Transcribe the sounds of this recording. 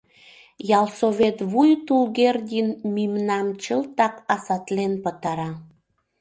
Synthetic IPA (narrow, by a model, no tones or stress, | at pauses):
jɑlsoβet̪βujt̪ulɣerd̪ʲinmimnɑmt͡ɕəlt̪ɑkɑsɑt̪lenpət̪ɑɾɑ